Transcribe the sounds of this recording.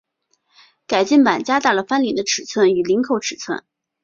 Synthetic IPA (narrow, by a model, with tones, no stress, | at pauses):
ka˨˩ɪt͡ɕi˥˩npa˨˩nt͡ɕja˥t̪a˥˩lə˩fa˥nli˨˩nd̪ə˦ʈ͡ʂʰɻ̩˨˩t͡sʰwə˥˩ny˨˩li˧˥ŋkʰo˧˥ʊʈ͡ʂʰɻ̩˨˩t͡sʰwə̰˥˩n